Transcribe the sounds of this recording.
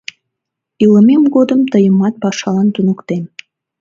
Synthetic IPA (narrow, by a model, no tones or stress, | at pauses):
iləmemɡod̪əmt̪əjəmɑt̪̚pɑʃɑlɑnt̪unukt̪en